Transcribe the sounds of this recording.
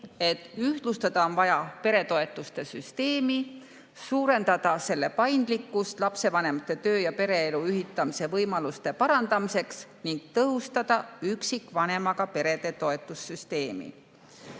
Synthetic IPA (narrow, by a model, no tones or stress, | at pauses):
e̞t̪ːˑyht̪lust̪ɑd̪̥ɑo̞nvɑjɑpe̞ɾe̞t̪o̞e̞t̪ːˑust̪e̞syst̪e̞ːmi | suːɾe̞nd̪̥ɑd̪̥ɑse̞lːe̞pɑjnd̪̥likːˑust̪lɑpse̞vɑne̞mɑt̪ːˑe̞t̪ø̞ːjɑpe̞ɾe̞eluyɦit̪ːˑɑmise̞vɤjmɑlust̪e̞pɑɾɑnd̪̥ɑmise̞ksniŋɡ̥̚t̪ɤɦust̪ɑd̪̥ɑyksikˑvɑne̞mɑɡ̥ɑpe̞ɾe̞d̪e̞t̪o̞e̞t̪ˑːusːyst̪e̞ːmḭ